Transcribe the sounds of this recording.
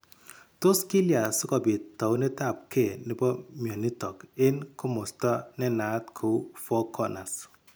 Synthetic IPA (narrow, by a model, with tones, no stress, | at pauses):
to˦ski˦lja˨sʊ˦kɔ˨bɪ˨tːɔ˨wnɛ˦ta˦˨p̚kʰe˦˨nɪ˨bɔ˦mjɔ˨ni˦tɔ˨kɪ˦nkʊ˦mʊ˨stɔ˦nɛ˦na˨˦tkʰo˨˦fɔ˦kʰɔ˦na˨s